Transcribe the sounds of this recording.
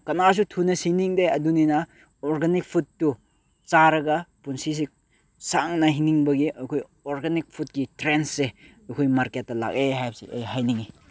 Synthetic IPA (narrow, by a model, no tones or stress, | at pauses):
kɐnaɾs̬utʰunɐsiniŋdeɐduninɐ | ɔɾɡanik̚pʰutːu | t͡ʃaɾɐɡɐpunsis̬i | saŋnɐɦiniŋbɐɡiɐjkʰoj | ɔɾɡanik̚pʰut̚kitɾensːeɐjkʰojmaɾket̚ːɐla̰keɦajbsḭʔejhajniŋi